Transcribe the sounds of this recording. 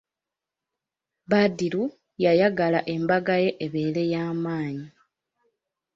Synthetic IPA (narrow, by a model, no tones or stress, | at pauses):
βadilu | jajaɡalaʔe̞mbaɡaje̞ʔeβe̞ːle̞jaːmaːɲi